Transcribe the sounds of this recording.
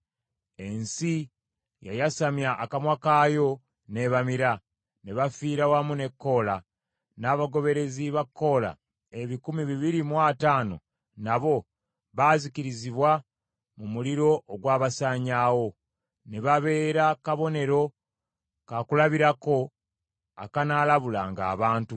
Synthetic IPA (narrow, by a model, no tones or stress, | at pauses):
e̞nsi | ja̰jasamjaʔːkamwakaːjo̞ | ne̞βamiɾa | neβafiːɾawamune̞kːo̞ːla | naːβaɡo̞βe̞ɾe̞ziβakʰːo̞ːla̰ | e̞βikumiβiβiɾimwaːtaːno̞̰ | naβo̞ | βaziciɾiziβwa | mumuliɾo̞ːɡwaːβasaːɲaːwo̞ | ne̞βaβe̞ːɾakaβo̞ne̞ɾo̞ | kakulaβiɾako̞ | a̰kanalaβulaŋɡa̰ːβaːntu